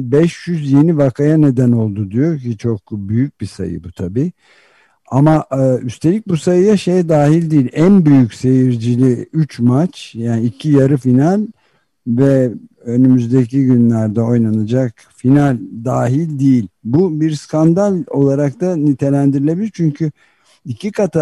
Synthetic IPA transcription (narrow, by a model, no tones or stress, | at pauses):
bɛʃjyzje̞nivakʰajane̞d̪æno̞lˠd̪ud̪ijo̞ɾcʰit͡ʃʰo̞k̚byjyc̚bisa̰jɯ̰but̪ʰabiː | amaʔːyst̪ʰe̞lʲic̚busajɯjaʃe̞jɛd̪aːɦilʲd̪iːilʲʔænbyjycse̞jiɾd͡ʒilʲiyt͡ʃmat͡ʃjaːniːcʰijaɾɯfinalʲ | vɛ | ønymyzd̪e̞ciɟynlʲæɾd̪ɛo̞jnanad͡ʒak | finalʲd̪aːɦilʲd̪ijilʲbubiɾskʰand̪alʲo̞lˠaɾakt̪ʰanit̪ʰe̞lʲænd̪iɾilʲebilʲiɾt͡ʃʰyɲcʰy | icʰikʰat̪ʰa